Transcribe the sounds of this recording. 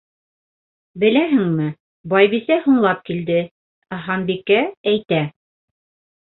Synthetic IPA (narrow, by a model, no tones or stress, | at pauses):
bɘ̆læɦɘŋmɘ | bɑjβisæhuɴlˠɑp̚kild̪ɘ | ɦɑnbikːææjt̪æ